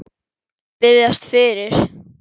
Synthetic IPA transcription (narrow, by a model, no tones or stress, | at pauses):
pɪðjast̪fɪɾɪɾ̥